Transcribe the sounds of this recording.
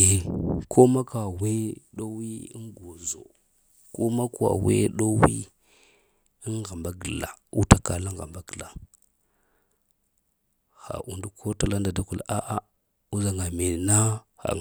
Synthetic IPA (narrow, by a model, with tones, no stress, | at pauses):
e˨kʰo˦ma˦ka˨we˦ɗo˦wi˦ḭ˦nɡo˨zo̰˨ | ko˦ma˦ka̰˨wḛ˦ɗo˦wi˦ | i˦nɣa˨mba˦ɡə˨la˨u˦ta˦ka˨la˦ŋɣa̰˨mba˦ɡə˨la˨ | ha̰˨ʔu˨ndu˦kʰo˦ta˨la˦nda˨da˦ku˨la˦ʔa˨ | u˦za˨ŋa˨me˨na˦ha̰˨